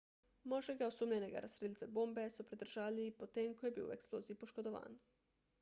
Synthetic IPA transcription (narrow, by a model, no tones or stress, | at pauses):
moʒeɡaosuːmʎeneɡa̰ɾʔasɾilʲit̪ʋeboːmbe̞supɾid̪r̩ʒaːʎliipot̪eːŋkojebḭːṵḛksplˠoːziipoʃkod̪oʋa̰ːn